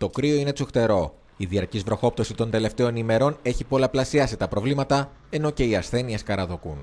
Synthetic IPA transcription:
t̪o̞kɾio̞ine̞t͡soxt̪e̞ɾo̞ | iðiɐɾcizvɾo̞xo̞p̚t̪o̞sit̪o̞nd̪e̞le̞ft̪e̞o̞nime̞ɾo̞ne̞çipo̞lɐplɐsiɐsit̪ɐpɾo̞vlimɐt̪ɐ | e̞no̞ce̞iɐsθe̞nieskɐɾɐðokun

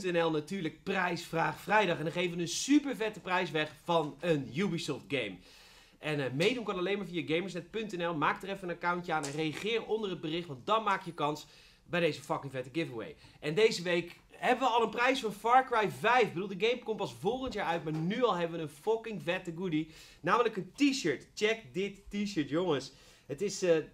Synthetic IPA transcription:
tɛnɛlˠnatyːɹlək̚prɛjsfraːχfrɛjdɑχɛndɑnχejvəʋənənsypəɹvɛtəprɛjsʋɛχfɑnənjubisɔft̚ɡejm | ʔɛnmejdunkɑnɑlejmaːɹvijəɡejməɹsnɛt̚pɵntɛnɛlˠmaːkdərɛfənənakawntjəaːnɛnrejaχɪːrondərəd̚bərɪχtʋɑntdɑnmaːkjəkɑns | bɛjdejzəfɑkɪŋvɛtəɡɪvənwḛj | ʔɛndejzəʋejk | ɦɛbəʋəɑlˠənprɛjsfɔnfɑɹkrajvɛjfbəduːlˠdəɡejmkompɑsvolˠχəntjaːɹœɥtmaːɹnyɑlˠɦɛbəʋənənfɔkɪŋvɛtəɡudi | naːmələkəntiʃəɹtt͡ʃɛk̚dɪtːiʃəɹtjoŋəs | hətɪsə

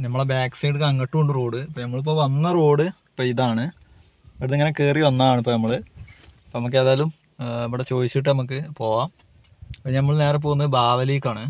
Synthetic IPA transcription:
nɐmːɐɭebaːksejɖɨkɐŋɡɐʈːuɣoɳɖɨro̞ːɽɨpːoːnɐmːɐɭip̬ːoːʋɐnːɐroːɽɨ | pːoːiðaːɳɨ | ʋɽðeŋːɐnekeːriʋɐnːaaːɳɨipːoːnɐmːɐɭɨ | pːonɐmukːe̞ːðaːjlum | ɐʋɐɽet͡ɕo̞ːðit͡ɕːiʈ̬ːɨnɐmuk̬ːɨpo̞ːʋaːm | pːoːnɐmːɐɭne̞ːrep̬oːɣunːɐðɨbaːd̪ɐlijkʲːaːɳɨ

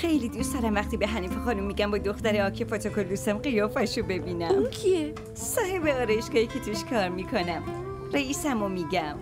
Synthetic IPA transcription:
xejliːd̪ust̪ɑɾæmvæxt̪iːbeɦæniːfexɒːnumːiːɡæmbɒːd̪oxt̪æɾeɒːkʰepot̪ʰokʰold̪usæmqejɒːfæʃobe̞biːnæmkʰie | sɒːhebe̞ɒːɾɒjeʃɡɒːicʰe̞t̪ʰuʃkʰɒːɾmiːkʰonæm | reiːsæmomiːɟæm

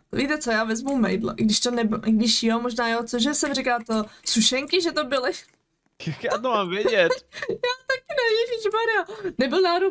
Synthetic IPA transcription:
vit̪ɛt͡sojaːvɛzmumɛ̰jdlɛ̰ʔɡdɪʃt̪onɛbɪɪɡdɪʃjomoʒnaːjot͡soʒɛsɛmrikaːt̪osuʃɛŋkɪʒɛt̪obɪlɪ | jakjaːt̪omaːmvjɛɟɛt̪jaːt̪akɪnɛjiʒiʒmaɾɪjanɛbɪlnaːɾo

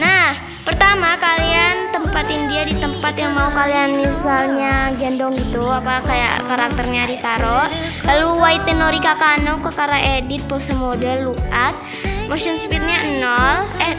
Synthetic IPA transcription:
nah | pərt̪amakaliant̪əmpat̪indiadit̪əmpat̪jaŋmaukalianmisalɲaɡɛndɔŋɡit̪uapakaja̰kaɾak̚t̪ərɲadit̪aɾɔʔlaluwait̪enoɾikakanɔkəkaɾaʔedit̪̚pɔsəmodɛlːuat̪̚ | moʃɔnspit̪̚ɲaənɔlɛ

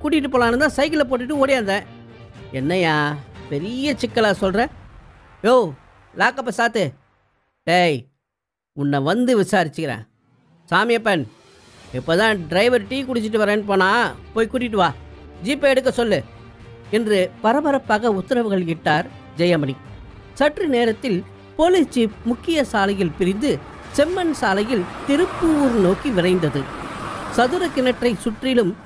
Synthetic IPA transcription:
kuːʈ̬ɪkɪʈːɯp̬oːlaːnɯt̪ãːsɐɪk̬ɪlɐp̬oːʈ̬ːɯʈːɯoːɽɪjaːnd̪ɛ̃ː | ɛnːɐjaːpɛɾɪjɐt͡ʃɪkːɐɭaːsɔlɾɛ̃ː | oː | laːkːɐpːɐsaːt̪ɯ | ʈej | ʊnːɐʋɐnd̪ɯʋɪsaːɾɪt͡ʃːɯkɪɾḛ̃ː | saːmɪjɐpːɛn | ɛpːoːt̪ãːɖɾɐɪʋɐɾʈiːkʊɽɪt͡ʃːɪʈ̬ːɯʋɐɾɐ̃ːnːɯp̬oːnãːpoːjkuːʈ̬ːɪʈ̬ːɯʋaːd͡ʒiːpːɛɽɯk̬ːɐsɔlːɯ | ɛndrɯpɐɾɐbɐɾɐpːaːɣɐʊt̪ːɪɾɐʋɯɣɐɭkɪʈːaːɾ | d͡ʒɛjɐmɐni | sɐʈrineːɾɐt̪ːɪl | poːlɪt͡ʃːipmʊkːɪjɐsaːlɐjɪlpɪɾɪnd̪ɯ | sɛmːɐnsaːlɐjɪlt̪ɪɾɯpːɯɾnoːkiʋɪrɐɪnd̪ɐðɯsɐðɯɾɐkɪnɐʈrɐɪsʊʈrɪlɯm

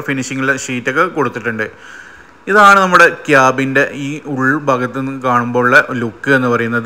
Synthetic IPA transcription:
finiʂiŋːɐɭileʂiːtːɐkːekoɽut̪ːiʈːuɳɖɨ | iðaːɳɨnɐmːuɽe̞kjaːbinde̞iːuɭbʱɐɡɐt̪ːnenːɨkaːɳumbo̞ːuɭːɐlukːɨe̞nːɨpɐrɐjunːɐðɨ

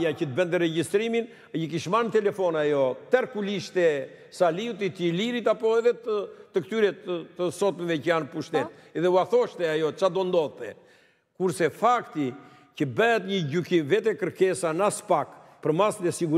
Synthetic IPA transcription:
jacət̪əbɛnt̪əɾɛɟist̪ɾimin | jək̬iʃmant̪ɛlɛfɔnajɔt̪ɛɾkuliʃt̪ɛ | saliwt̪̬it̪əliɾit̪apɔɛðɛt̪ət̪əkt̪yɾɛt̪əəsɔt̪mɛvɛcəjanpuʃt̪ɛt̪ | ɛðɛuaθɔʃt̪ɛajɔt͡ʃad̪ɔnd̪ɔðt̪ɛ | kuɾsɛfakt̪i | cəbɛɛt̪ɲəɟykimvɛt̪ɛkəɾkɛsanaspak | pəɾmasðɛsiɡuɾ

